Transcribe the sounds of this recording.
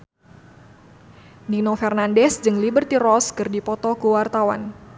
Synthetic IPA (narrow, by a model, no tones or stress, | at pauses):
ninofɛrnandɛsd͡ʒɨŋlibərt̪irɔskɨrdipɔt̪ɔkuwart̪awan